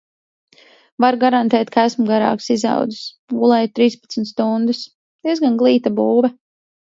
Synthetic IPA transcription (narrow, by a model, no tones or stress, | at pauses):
vaɾɡaɾant̪ɛːt̪kʰaæsmɡaɾa̰ːksiza̰wd̪zɨs | ɡulˠɛjt̪ɾiːspḁt̪smʲt̪st̪und̪ɨs | d̪̥iɛzɡanɡlˠiːt̪abuːvɛ